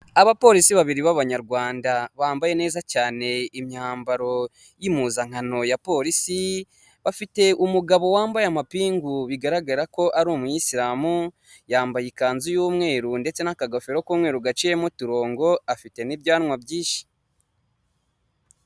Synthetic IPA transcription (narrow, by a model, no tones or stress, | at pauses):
aβapo̞ɾisiβaβiɾiβaβaɲaɾɡwaːndaβaːmbaje̞ne̞ːzacaːne̞imɲaːmbaɾo̞ | jimuzaŋ̥ano̞japo̞ːɾisi | βafite̞ʔumuɡaβo̞waːmbajamapiːŋɡuβiɡaɾaɡaɾako̞ʔaɾuːmujisiɾaːmu | jaːmbajikaːnzujuːmŋe̞ːɾunde̞t͡se̞nakaɡafeɾokuːmŋe̞ːɾuɡat͡ʃije̞mutuɾo̞ːŋɡo̞afite̞nibjaːnŋwabɟiːʃi̥